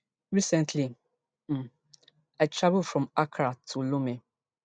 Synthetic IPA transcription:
ɹisɛ̃ntʰli | aɪtʰɹavlfɹɔ̃makʰɾatʰulomẽ

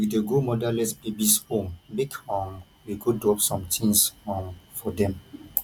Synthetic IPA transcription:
ikdeɡomɔdalɛsbibisõŋbikɔ̃ŋ | wiɡodɔpsɔ̃mtʰĩŋshɔ̃ŋfɔdɛ̃m

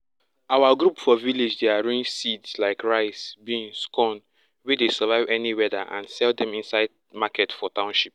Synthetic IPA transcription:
awaɡɾupfɔviled͡ʒdeaɹĩnsidslaɪkɹaɪsbiĩŋskɔ̃n | widesəvaɪvɛniwɛdaʔã̰nsɛldɛ̃mĩnsaɪd | makɛtfɔtãʊ̃nʃip̚

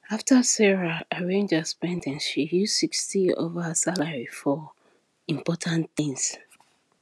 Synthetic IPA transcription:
aftʰəsɛɹaaɹẽnd͡ʒəspɛ̃ndɛ̃nʃijussikstio̰vasalaɹifɔ | ĩmpɔtʰãnθĩŋs

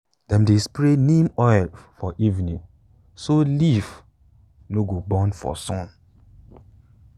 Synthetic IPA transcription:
d̥ɛ̃mdespɹenĩmɔɛlfɔʔivnĩŋ | soliv | noɡobɔ̃nfɔ̰sɔ̃n

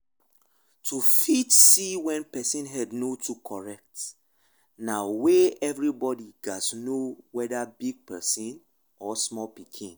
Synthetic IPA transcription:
tʰufitsiwɛ̃npɛsĩnɦɛdnotʰukʰɔɹɛk̚t | naweɛvɹibɔdiɡasnowɛdabiɡ̚pɛsĩn | ɔsmɔlpikʰĩn

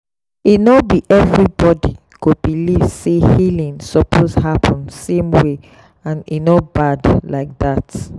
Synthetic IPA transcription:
inɔbiʔɛvɹibɔdi | kobilivsehilĩŋsɔpʰoshapʰɔ̃nsẽmwe | ãnḭnɔbadlaɪk̚ðat

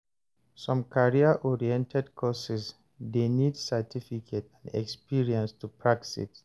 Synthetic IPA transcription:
sɔ̃mkʰaɹiaʔɔɹiɛ̃ntʰɛdkʰɔsɛs | denidsɛtʰifikʰetãndɛ̰kspiɹiɛ̃nstupʰɹak̚sḭt

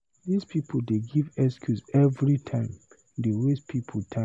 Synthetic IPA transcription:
ðispʰipʰodeɡivɛskʰjusɛvɹitʰãɪ̃m | dewespʰipʰotʰã

